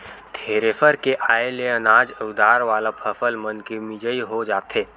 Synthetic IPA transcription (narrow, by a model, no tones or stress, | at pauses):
t̪ʰeːɾefəɾkeʔaːeleɐnaːd͡ʒəd̪aːɾʋaːlapʰɐfəlmə̃nkemɪd͡ʒəiɦod͡ʒaːt̪eː